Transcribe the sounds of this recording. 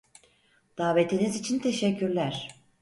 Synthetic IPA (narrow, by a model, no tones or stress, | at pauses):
d̪̥aːvet̪ʰinizit͡ʃʰint̪ʰeʃɛcʰːyɾlʲæɾ̥